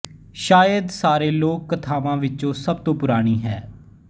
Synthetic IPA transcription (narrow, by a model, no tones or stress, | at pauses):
ʃaːjəd̪saːɾeːloːkːət̪ʰaːʋãːʋɪt͡ʃõːsəb̚t̪õːpʊɾaːɽ̃iːɦɛː